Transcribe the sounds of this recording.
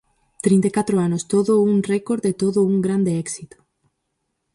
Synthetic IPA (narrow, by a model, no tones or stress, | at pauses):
t̪ɾĩnt̪ekat̪ɾoanʊst̪oðʊuŋrɛkoɾd̪et̪oðʊuŋɡɾand̪eɛksit̪ʊ̥